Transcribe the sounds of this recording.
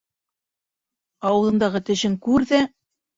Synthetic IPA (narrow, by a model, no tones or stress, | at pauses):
ɑwɤ̆lˠɤ̆nd̪ɑʁɤt̪ɘ̆ɕɘŋkʉɾðæ